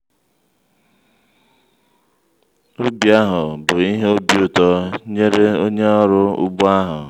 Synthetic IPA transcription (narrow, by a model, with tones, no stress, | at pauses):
o˦bja˦ɦʊ˨bʊ˨i˦ɦo˦bjʊ˨tɔ˦ɲe˦ɾe˦o˦ɲe˦ɔ˦ɾʊ˦ʊ̰˦bʊ˦a˦ɦʊ˨